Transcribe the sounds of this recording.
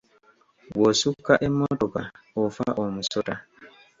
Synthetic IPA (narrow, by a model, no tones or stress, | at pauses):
wɔsukːaʔɛmːɔtɔka | ɔfaʔɔmusɔta